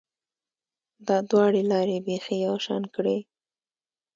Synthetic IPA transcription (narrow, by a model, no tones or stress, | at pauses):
d̪ɑd̪wɑɽelɑɾebexejawʃɑ̰nkɽe